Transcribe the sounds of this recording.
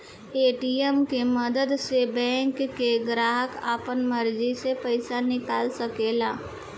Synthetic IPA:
eːʈiemkeməd̪əd̪sebɛ̃ːŋkːeɡɾaːɦəka̰ːpənməɾd͡ʒisepəɪsanɪkaːlsəkeːlaː

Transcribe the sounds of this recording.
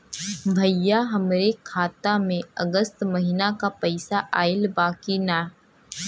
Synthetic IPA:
bʱɐjːaɦɐmɾekʰaːt̪amẽɐɡəst̪mɐɦɪnakapɐɪsaʔaːɪlbaːkinaː

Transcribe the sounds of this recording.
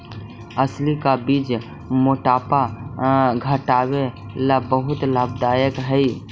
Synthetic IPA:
əslikabiːd͡ʒ | moʈaːpa | ɡʱəʈaːwe | labəɦʊt̪laːbd̪ajəkɦəi

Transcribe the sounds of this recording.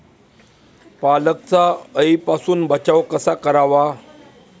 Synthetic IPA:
palək̚t͡saəipasuːnbʱət͡ɕaʋkəsakəɾaʋa

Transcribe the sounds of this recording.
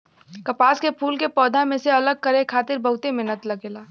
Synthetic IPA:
kɐpaːskepʰuːlkepɔːd̪ʱãmẽseɐləɡ̚kəɾekʰaːt̪ɪɾbəɦʊt̪emenət̪lɐɡeːlaː

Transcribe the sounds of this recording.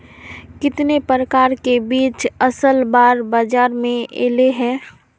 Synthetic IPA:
kɪt̪nepɾəkaːɾkebiːt͡ʃəsəlbaːɾbaːd͡ʒaːɾmẽʔḛːleɦɛ̃ː

